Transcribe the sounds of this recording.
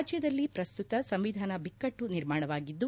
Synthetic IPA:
d͡ʒjɐd̪ɐlːipɾɐst̪ut̪ɐsɐmʋid̪ʱaːnɐbikːɐʈːuniɾmaːɳɐʋaːɡid̪ːu

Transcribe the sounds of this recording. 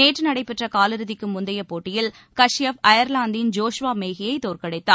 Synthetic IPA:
eːʈrɯnɐɽɐɪpːɛʈrɐkaːlɯɾɯðɪkːɯmʊnd̪ɐjɐpːoːʈːɪjɪl | kɐʂjɐfɐjɐɾlaːnd̪ɪnd͡ʒoːʂʋaːmeːɣɪjɐɪt̪oːɾkɐɽɐɪt̪ːa̰ː

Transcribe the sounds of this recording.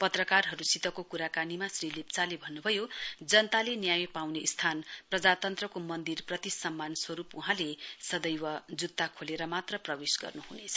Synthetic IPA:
pʌt̪rʌkarɦʌɾusit̪ʌkokuɾakanimasrilept͡salebʱʌnːubʱʌjod͡zʌnt̪alenjajpawneʔst̪ʰanprʌd͡zat̪ʌnt̪rʌkomʌnd̪irprʌt̪isʌmːanswʌɾupuɦãlesʌd̪ʌjwʌd͡zut̪ːakʰoleɾʌmat̪rʌprʌbesɡʌ̰rnuɦunet͡sʰʌ

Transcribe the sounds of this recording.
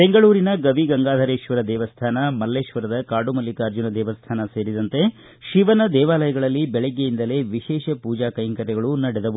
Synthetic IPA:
be̞ŋɡɐɭuːɾinɐɡɐʋiɡɐŋɡaːd̪ʱɐɾeːʃʋɐɾɐd̪ɛːʋɐst̪ʰaːnɐmɐlːeːʃʋɐɾɐd̪ɐkaːɖumɐlːikɐːɾd͡ʒunɐd̪ɛːʋɐst̪ʰaːnɐseːɾid̪ɐnt̪e̞ | ʃiʋɐnɐd̪ɛːʋaːlɐjɐɡɐɭɐlːibɛɭɛɡːejind̪ɐle̞ːʋiʃɛːʃɐpuːd͡ʒaːkɐjɐŋkɐɾɛɡɐɭunɐɽɛd̪ɐu

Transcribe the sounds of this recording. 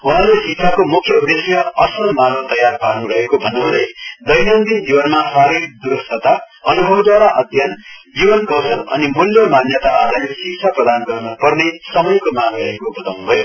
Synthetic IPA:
uɦãɾlesikt͡sʰakomukʰːjʌud̪esjʌʌsʌlmanʌlt̪ʌjarpanuɾʌɦekobʱʌnːʌɦulḛd̪ʌjnʌnd̪id͡zibʌnmasaɾekd̪uɾʌst̪ʰʌt̪a | ʌnubʱʌbd̪waɾaʔʌd̪jʌnd͡zibʌnkʌwsʌlʌ̰nimuljomanjʌt̪aːd̪ʱajesiksʰaprʌd̪anɡʌrnʌpʌrnesʌmʌjkomanɾʌɦekobʌt̪awnubʱʌjo

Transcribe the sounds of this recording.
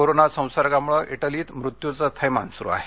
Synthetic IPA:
oɾonasə̃w̃saɾɡamuɭəʔiʈəliːt̪mɾut̪jut͡sət̪ʰəjma̰nsɾṵa̰ɦe

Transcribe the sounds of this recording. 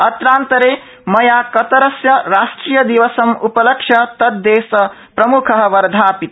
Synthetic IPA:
ɐt̪ɾaːnt̪ɐɾe | mɐjakɐt̪ɐɾɐsjɐɾasʈɾijɐd̪iʋɐsɐmupɐlɐkʃʰjɐt̪ɐd̪ːeːsɐ | pɾɐmukʰɐɦʋɐɾd̪ʱaːpit̪

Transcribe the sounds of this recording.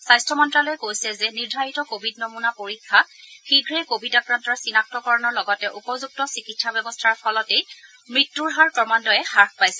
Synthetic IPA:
sajstʰɔmɔntɹalɔjɛkojsɛzɛniɹdʱaɹitɔkobʱidnomunapoɹikʰːaxiɡʱɹɛkobitakɹantɔɹsinak̚tɔkɔɹɔnɔɹlɔɡɔtɛʔupɔzuk̚tɔsikitsabɛbɔstʰaɹpʰɔlɔtej | mɹitːuɹɦaɹkɔmandɔjɛxaɹkʰpajsɛ

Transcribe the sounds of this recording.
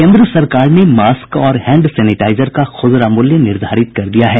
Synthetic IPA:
kẽːnd̪ɾəsɐɾkaːɾnemaːskkɔːɾhɛ̃ːɳɖsɛːnɪʈaːɪzəɾkaxʊzɾamʊljənɪɾd̪ʱaːɾɪt̪̚kɐɾd̪ijaɦɛː

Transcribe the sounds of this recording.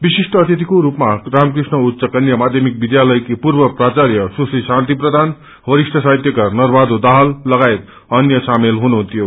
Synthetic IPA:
bisisʈʌːt̪it̪ikoɾupmaramkrisnʌut̪ːsʌkʌnjʌmad̪ʱjʌmik̚bid̪jalʌjkepuɾbʌprat͡sarjʌsusisãnt̪iprʌd̪ʱan | bʌɾisʈʰʌsajt̪jʌkanʌrbad̪od̪aɦʌlːʌɡaet̪ | ʌnjʌsamelɦunuɦunt̪ʰjo

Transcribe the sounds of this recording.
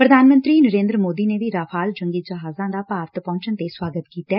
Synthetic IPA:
pɾəd̪ʱaːnmə̃nt̪ɾiːnəɾẽːnd̪ɾəmoːd̪iːneːʋiːɾaːpʰaːld͡ʒəŋɡid͡ʒəɦaːzãːd̪aːpaːɾt̪pɔ̃ːɲt͡ʃənt̪eswaːɡət̪kiːt̪aɛː

